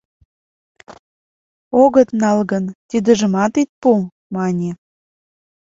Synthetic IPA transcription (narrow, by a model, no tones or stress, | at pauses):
oɣət̪nɑlɣənt̪id̪ə̆ʒə̆mɑt̪it̪̚pu | mɑnʲe